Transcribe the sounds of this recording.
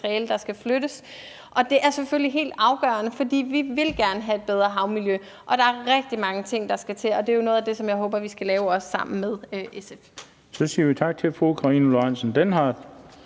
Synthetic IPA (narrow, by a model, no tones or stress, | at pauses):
ʁieləd̥ɑ̈sɡ̥æfløɾ̥əs | ʔɒ̽d̥e̝ʔæɐsefølliɦe̝̰ːld̥ɑ̈ʊɡ̥ɶ̰ɐnəfɒ̽d̥ḭːʋiʋe̝lɡ̥æɐnəɦæe̝d̥̚b̥eð̞ˠʁɐɦɑ̈ʊmiljø | ʔɒ̽ɾ̥ɑ̈æɐʁɛɡ̥̚d̥imɑ̈ŋət͡sʰe̝ŋ̰d̥ɑ̈sɡ̥æt͡sʰe̝lɒ̽d̥e̝æjo̝no̽ːð̩ˠæd̥e̝sɒ̽mjɑ̈ɪɦo̽ːb̥ɐʋisɡ̥ælɛːʊɒ̽sːɑ̈m̰n̩með̞ˠøʔesef | sɒ̽siːɐʋit͡sʰɑ̈ɡ̥̚t͡sʰe̝lfʁuukʰʁɑiːnəloansn̩d̥enhɑːd̥